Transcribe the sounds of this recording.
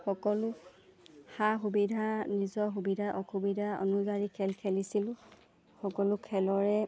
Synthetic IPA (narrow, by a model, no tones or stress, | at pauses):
xɔkɔlʊ | xaxubidʱanizɔxubidʱaʔɔkubidʱaɔ̰nuzaɹikʰːɛlkʰɛlisilʊ̃ | xɔkɔlʊkʰɛlɔɹɛ